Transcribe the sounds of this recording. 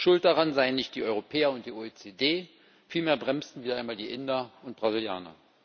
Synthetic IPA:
ʃʊlt̚d̥aʁanzaɪənːɪçt̚d̥iːʔɔʏʁopʰɛːɐʊnt̚d̥iːʔoet͡sedeː | fiːlmeːɐbʁɛmstn̩viːdɐaɪnmaːldiːʔɪndɐʊnt̚b̥ʁazɪlja̰ːnɐ̰

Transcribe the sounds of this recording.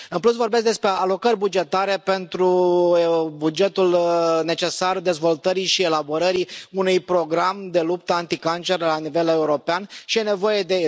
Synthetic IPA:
ɨnpluts̬vo̞rbes̬k̚d̪espɾe̞alo̞kəɾʲbud͡ʒe̞t̪aɾe̞pe̞nt̪ɾu | bud͡ʒe̞t̪ulne̞t͡ʃe̞sard̪e̞zvo̞lt̪əɾiʃie̞labo̞ɾəɾiunujpɾo̞ɡɾamd̪e̞lup̚t̪əant̪ikant͡ʃe̞rlanive̞le̞uɾo̞peanʃijene̞vo̞je̞d̪e̞

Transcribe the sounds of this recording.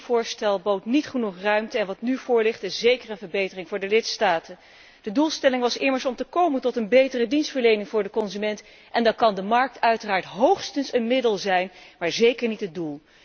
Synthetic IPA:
v̥ʊːɹstɛlˠbowtnitχənuχrœɥmtəɛnʋɑtnyv̥ʊːɹlɪχtɪszejkəɹənvəɹbejtərɪŋvʊːɹdəlɪtstaːtən | d̥ədulˠstɛlɪŋʋɑsɪməɹsɔmtəkowməntɔtənbejtərədinstfəɹlejnɪŋvʊːɹdəkɔnzymɛnt | ʔɛndɑnkɑndəmɑɹk̚tœɥtəraːɹtɦowχstənsənmɪdəlˠzɛjnmaːɹzejkəɹnitɦət̚dulˠ

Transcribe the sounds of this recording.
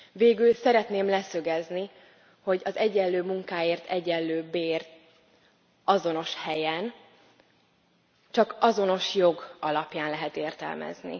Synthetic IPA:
veːɡylsɛɾɛt̪neːmlɛsø̞ɡɛzni | ho̞ɟɒzɛɟɛlːøːmuŋkaːeːrt̪ʰɛɟɛlːøːbeːr | ɒzo̞no̞ʃhɛjɛn | t͡ʃɒkɒzo̞no̞ʃjo̞ɡɒlɒpjaːnlɛɦɛt̪eːrt̪ɛ̰lmɛ̰znḭ

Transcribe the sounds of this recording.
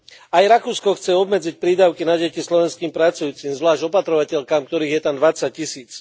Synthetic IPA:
ajɾakuːskɔxt͡sɛɔbmɛd͡zic̚pɾiːd̪aʊkinaɟɛcislɔʋɛnskiːmpɾat͡sujuːt͡simzʋlaːʒɟɔpat̪ɾɔʋacɛʎkaːmkt̪ɔɾiːɣjɛt̪amd̪ʋat͡sac̚cisiːt͡s

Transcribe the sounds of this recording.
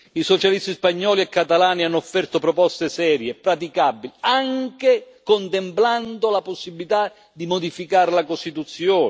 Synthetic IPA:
isɔt͡ʃalist̪ispaɲːɔːliɛkːat̪alaːnianːɔfːɛrt̪opɾɔpɔst̪esɛːɾjepɾat̪̬ikabːiliaŋke | kont̪ɛmpland̪olaposːibilit̪a | d̪imod̪ifikaːɾlakost̪it̪ut̪sːjɔː

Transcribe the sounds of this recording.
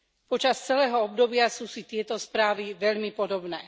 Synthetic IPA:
pɔt͡ʃast͡sɛlɛːɦɔɔbd̪ɔbɪasuːsit̪ɪɛt̪ɔspɾaːʋiʋɛʎmipɔd̪ɔbnɛː

